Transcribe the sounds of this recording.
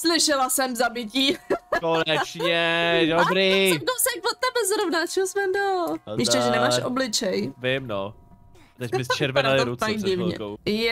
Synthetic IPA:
slɪʃɛlasɛmzabɪciːkonɛt͡ʃɲɛdobɾidowsɛkvot̪ːɛbɛzɾovnat͡ʃɛosmɛndoljɪʃtɛʒɛnɛmaːʃʔo̰blɪt͡ʃɛjvɪmno | t̪ɛcbɪst͡ʃɛɾvɛnalɪɾuajɪvɲɛ̰ojɛ

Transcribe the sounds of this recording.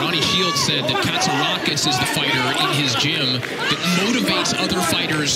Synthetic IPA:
ɑɾ̃iʃilˠd̥sɛd̪̚ðɨt̚kʰætsəɹɑkɨsɨzðɨfaɪɾə˞ʔɪ̃nɪzd͡ʒɪ̃m | ðɨt̚moʊɾɨveɪtsʌðə˞faɪɾə˞z̥

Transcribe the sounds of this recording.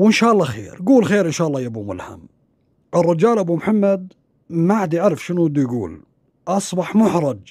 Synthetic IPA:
wɪnʃaːʔɑlˤːɑxḛːɾɡuːlxeːɾʔɪnʃaːʔlːˤɑːjabumʊ̰lha̰m | ʔɪrˤːɑd͡ʒaːlʔabumħamːad̪ | maʕad̪iʕaɾˤfʃɪnud̪ijɡṵːl | ʔɑsˤbɑħmʊħɾˤɑd͡ʒ

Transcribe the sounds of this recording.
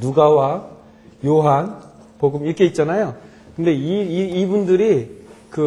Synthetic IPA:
nuɡawa | joɦan | poɡɯmiɾʌkʰe̞it̚t͡ɕ͈anajo | kɯnde̞iiːbundɯɾikɯ

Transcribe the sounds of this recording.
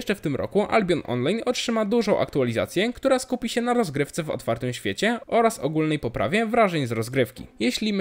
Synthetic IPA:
ɛʂt͡ʂɛft̪ɘmɾʔɔ̰kuʔa̰lbʲɔnʔɔ̰nlajnɔtʂɘmad̪uʐɔ̃w̃ʔa̰kt̪ualʲiza̰t̪sʲjɛkt̪uɾaskupʲiɕɛnaɾɔzɡɾɘft̪sɛvɔ̰t̪faɾt̪ɘmɕfʲjet͡ɕɛɔɾasɔɡulnɛjpɔpɾʔa̰vʲjɛvɾaʐɛɲzɾɔzɡɾɘfkʲḭjɛɕlʲim

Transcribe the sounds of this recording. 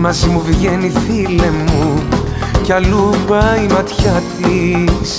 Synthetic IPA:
mɐzimuviʝeniθile̞mu | cɐlupɐimɐt̪çɐt̪is

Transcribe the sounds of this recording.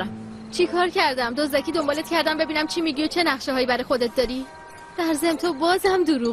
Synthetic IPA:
t͡ʃʰikʰɒːɾcʰæɾd̪æmd̪ozd̪æcʰiːd̪o̞mbɒːlet̪̚cʰæɾd̪æmbe̞biːnæmt͡ʃʰimiɟiot͡ʃʰe̞næʁʃeɦɒːjiːbæɾjxod̪et̪̚d̪ɒːɾi | d̪̥æɾze̞mt̪ʰobɒːzæmd̪oɾuː

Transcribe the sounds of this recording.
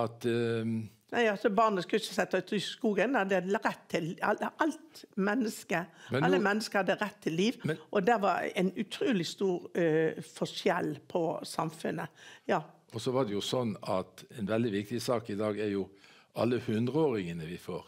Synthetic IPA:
ɑt̪ | næɪɑlsɔbɑʁnəskɑlɪçəsɛt̪ːɑʉːt̪ɪskuːɡənɑd̪əɾɛt̪ʰːɪlɑʔɑlt̪mɛnːəskəmɑlːəmɛnːəskəʁhɑd̪ːəɾɛt̪ʰːɪlːiːʋʔɔd̪æʋɑ̰ɾɛ̰ɪnʉt̪ʰɾuːlɪst̪uːɾfɔʂjɛlːpʰɔsɑmfʉnːəjɑː | ɔsɔʋɑd̪ɛjʊsɔnːɑt̪ɛnʋɛld̪ɪʋɪk̚t̪ɪsɑːkɪd̪ɑːɡæɾjʊ | ɑlːəhʉnd̪ɾəoːɾɪŋənəʋɪfoːɾ

